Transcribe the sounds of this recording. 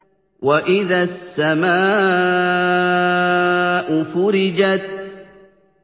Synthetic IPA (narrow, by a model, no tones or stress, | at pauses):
waʔɪðasːamaː | ʔʊfʊɾɪd͡ʒat̪̚